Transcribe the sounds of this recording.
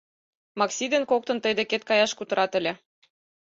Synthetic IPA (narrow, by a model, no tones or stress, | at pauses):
mɑksʲid̪enkok̚t̪ɤ̆nt̪əjd̪eket̪̚kɑjɑʃkut̪ɤ̆ɾɑt̪ə̆lʲĕ